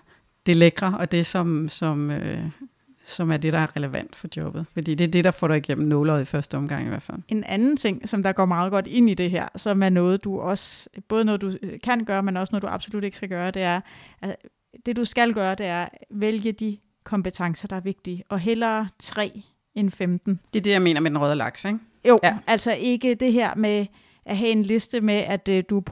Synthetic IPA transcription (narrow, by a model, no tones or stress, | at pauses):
d̥e̝leɡ̥ʁɐɒ̽d̥e̝sɒ̽msɒ̽mø | sɒ̽mæɐd̥e̝ɾ̥ɑ̈æɐʁɛləʋæn̰d̥fɒ̽d̥jɔ̽b̥ð̞̩ˠfɒd̥ḭːd̥e̝æɐd̥e̝ɾ̥ɑ̈fɒ̰ːɾ̥ɑiɡ̥em̰m̩nːɔːlɐːð̩ˠifɶɐsd̥əɒ̽mɡ̥ɑ̈ŋ̰iʋæɐ̰fæl̰e̝nænn̩t͡sʰe̝ŋ̰sɒ̽md̥ɑ̈ɡ̥ɒ̰ːmɑ̈ːð̞ˠɡ̥ɒ̽d̥e̝n̰id̥e̝ɦæɐ̰sɒ̽mæɐnɔ̽ːð̞̩ˠd̥uʔɒ̽sb̥ɔ̽ːð̞ˠnɔːð̩ˠd̥ukʰæn̰ɡ̥ɶːɐmenɒ̽snɔð̩ˠduʔɑ̈b̥solud̥e̝ɡ̥sɡ̥æɡ̥ɶːɐd̥e̝æɐʔæs | d̥e̝d̥usɡ̥ælɡ̥ɶːɐd̥e̝æɐʋeljəd̥i | kʰɒ̽mb̥ət͡sʰɑ̈ŋsɐd̥ɑ̈æɐʋe̝ɡ̥̚d̥iːɒ̽ɦelɐːt͡sʰʁɛ̰ː | enfemd̥n̩d̥e̝ɐd̥e̝jɑme̝̰ːnɐmed̥enʁœð̞ˠlɑ̈ɡ̥seɡ | jo̰ʔæl̰sɒ̽ʔe̝ɡ̥əd̥e̝ɦeɐ̰me | ʔæɦɛe̝nle̝sd̥əmeʔæd̥d̥u